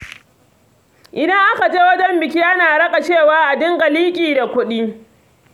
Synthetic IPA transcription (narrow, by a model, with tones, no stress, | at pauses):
ʔɪ˨da˦ŋʔa˦ka˨d͡ʒeː˦wɐ˦d͡ʒɛ˦mbɪ˨kʲi˦ʔa˦naː˨ɽɐ˦kʼa˨t͡ʃeː˦˨waː˦ʔa˨dɪ˦ŋɡa˨liː˦kʲʼiː˨da˨kʷʊ˦ɗi˦